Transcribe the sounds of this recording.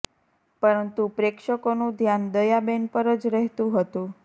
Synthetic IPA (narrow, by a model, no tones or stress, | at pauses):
pəɾənt̪upɾekʃəkonũd̪ʱjand̪əjabenpəɾəd͡ʒɾəɦt̪ũɦət̪ũ